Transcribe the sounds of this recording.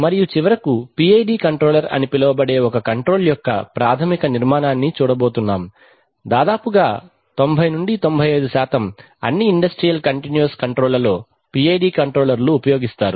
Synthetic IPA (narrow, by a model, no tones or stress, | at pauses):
mɐɾijut͡ʃiʋɐɾɐkupiːejɖiːkɐɳʈɾoːlɐɾɐ̰nipilɐʋɐbɐɽe̞ːɔkɐkɐɳʈɾo̞ːljɔkːɐ̰pɾaːt̪ʰɐmikɐniɾmaːnaːnːit͡ʃuːɽɐbo̞ːt̪unːaːm | d̪aːd̪aːpuɡaː | t̪o̞mbʱɐjnuɳɖit̪o̞mbʱɐjɐjd̪usaːt̪ɐm | ɐ̰nːiːɳɖɐsʈɾijɐlkɐɳʈinjuuskɐɳʈɾoːlɐlo̞ː | piejɖiːkɐɳʈɾoːlɐɾluːpɐjo̞ːɡist̪aːɾu